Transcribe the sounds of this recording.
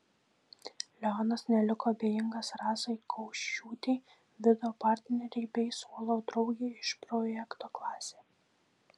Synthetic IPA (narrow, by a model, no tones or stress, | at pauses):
lʲɛɔnɐsnʲɛlʲɪkoːɐbʲeːjɪŋɡɐsɾɑːsɐɪkʰɒʊʃʲuːt̪ʲɛɪ | ʋʲɪd̪ɛoːpɑˑɾʲt̪ʲnʲɛɾʲɛɪbʲɛɪsoːlˠoːd̪ɾɒʊɡʲeːɪʃpɾɔjɛkt̪oːklˠɑːsʲeː